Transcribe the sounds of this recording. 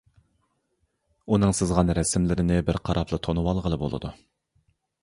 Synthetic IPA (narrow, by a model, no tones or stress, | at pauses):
unɨŋsɨzʁɑnɾɛsɪmlɪɾɪnɪbɪɾqʰɑɾɑpʰlˠɨt̪ʰonuwɑlˠʁəlˠɨbo̰lˠɨ̰d̪u